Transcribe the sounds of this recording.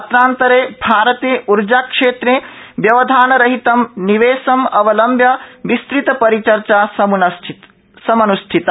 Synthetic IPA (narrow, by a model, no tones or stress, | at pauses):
ɐt̪ɾaːnt̪ɐɾeːbʱaːɾɐt̪eːʔuɾd͡ʒaːkʂeːt̪ɾeːʋjɐʋɐd̪ʱaːnɐɾɐɦit̪ɐmniʋeːsɐmɐʋɐlɐmbʱjɐʋist̪ɾit̪ɐpɐɾit͡ʃɐɾt͡ʃaːsnɐ | sɐmɐnusʈʰit̪ɐ